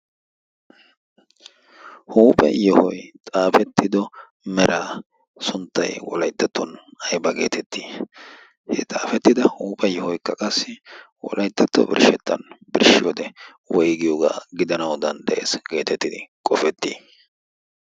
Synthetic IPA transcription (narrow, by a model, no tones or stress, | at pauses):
huːpʼɛ̰jɔhɔjt̪ʼaːfɛt̪ʰːɪd̪ɔ | mɛɾa | sʊnt̪ːɐjwɔ̰lɐjt̪ːɐt̪ːɔnɐjbɐɡe̞̰ːt̪ʰɛt̪ːiː | hɛt̪ʼaːfɛt̪ːɪd̪ɐhuːpʼɛjɔhɔjkːɐkʼɐsːɪ | wɔ̰lʔɐjt̪ːɐt̪ːɔ̰bɪ̰ɾʃɛt̪ːɐ̰nbɪɾʃɪjɔd̪ɛ | wɔjɡɪjoːɡa̰ːɡɪd̪ɐnɐwd̪ɐnd̪ɐʔḛːsɡe̞ːt̪ɛt̪ːɪd̪ɪkʼɔfɛt̪ːiː